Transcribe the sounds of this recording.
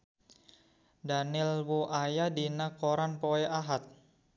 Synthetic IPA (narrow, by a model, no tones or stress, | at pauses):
danɪlwuʔajadinakoɾanpoɛʔaɦat̪̚